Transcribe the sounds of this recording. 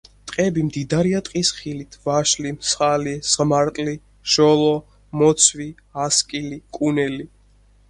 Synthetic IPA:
t̪ʼqʼɛbimd̪id̪aɾiat̪ʼqʼisχilit̪ʰvaʃlimsχalisʁmaɾt̪ʼli | ʃɔlˠɔ | mɔt̪sʰvi | askʼilikʼunɛli

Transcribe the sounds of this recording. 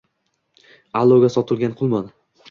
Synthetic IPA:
alˠːoɡʲasɒt̪ʰɪlˠɡʲanqʰʊlˠmɒn

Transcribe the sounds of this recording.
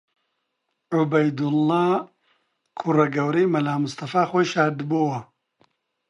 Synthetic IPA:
ʕʊbɐjd̪ulːaː | kʰurɐɡɐwɾejmɐlaːmʊst̪ɐfaːxoːjʃaːɾd̪bowɐ

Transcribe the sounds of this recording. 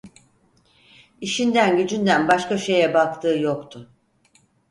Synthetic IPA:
iʃind̪ænɟyd͡ʒynd̪ænbaʃkaʃe̞jɛbakt̪ʰɯːjo̞kt̪ʰʊ

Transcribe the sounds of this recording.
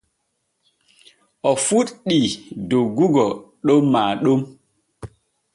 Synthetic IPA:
ʔɔfuɗɗidoɡuɡɔɗomːaːɗom

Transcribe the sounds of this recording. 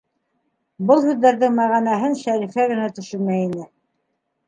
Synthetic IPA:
bɤlˠhʉðːæɾðɘŋmæʁænæɦɘnʃæɾifæɣɘ̆næt̪ɵ̆ʃɵɾmæjinɘ

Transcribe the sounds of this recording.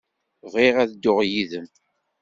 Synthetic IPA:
vʁiʁæðd̪ːʊʁjiðəm

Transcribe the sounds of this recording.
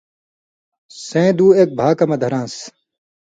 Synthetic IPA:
sẽːd̪uːek̚bʱaːkɐmɐd̪ʱɐɾãːs

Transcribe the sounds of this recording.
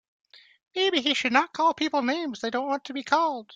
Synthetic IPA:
meɪbiiʃɨdⁿnət̚kʰɔlˠpʰipl̩ˠnẽɪ̃mzðeɪdõʊ̃nʔwɑ̃ntʰɨbikʰɔlˠd̥

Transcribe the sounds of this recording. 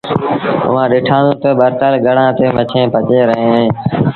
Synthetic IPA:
ʊ̰ʋãːɗɪːʈʰãːnũːt̪əːɓəɾt̪əlɡʱəɽãːt̪eːmət͡ʃʰẽːpət͡ʃeːɾəɦẽːẽː

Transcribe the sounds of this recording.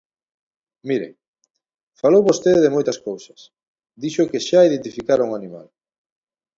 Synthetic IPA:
miɾḛ | falowβost̪eðeðemojt̪ɐskowsɐs | d̪iʃʊkeʃaiðẽnt̪ifikaɾuŋanima̰l

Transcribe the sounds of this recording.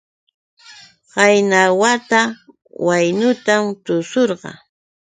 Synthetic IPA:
ɢɑjnawat̪a | wajnʊt̪amt̪ʊsoɾɢɑ̰

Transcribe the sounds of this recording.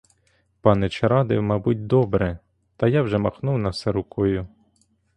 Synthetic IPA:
pɑnɛt͡ʃeɾɑd̪ɪwmɑbut̚ʲd̪ɔbɾɛ | t̪ɐjɑwʒɛmɐxnuwnɐwsɛɾʊkɔjʊ

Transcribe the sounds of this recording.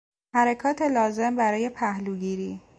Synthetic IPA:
hæɾekʰɒːt̪ʰe̞lɒːze̞mbæɾɒːje̞pʰæhluɡiːɾiː

